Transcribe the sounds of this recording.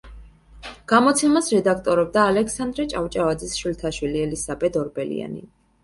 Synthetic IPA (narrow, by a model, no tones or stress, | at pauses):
ɡ̥amɔt̪sʰɛmasɾɛd̪ak̚ʰt̪ʼɔɾɛb̚d̪aːlɛkʰsand̪ɾɛt͡ʃʼaft͡ʃʼavad̪zɛsʃult̪ʰaʃwiliɛlisabɛd̪ɔɾbɛlḭa̰nḭ